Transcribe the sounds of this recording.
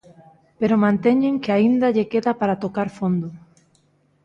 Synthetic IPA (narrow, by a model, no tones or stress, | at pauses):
peɾomãnt̪eɲeŋkeaind̪aʎekeðapaɾat̪okaɾfond̪ʊ